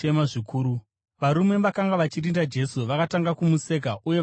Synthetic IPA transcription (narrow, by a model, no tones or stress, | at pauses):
emaʐikʰuːɾu | ʋaɾume̞ʋakaŋɡaʋat͡ʃirindad͡ʒe̞suʋakataŋɡakumuse̞ːkaʔuje̞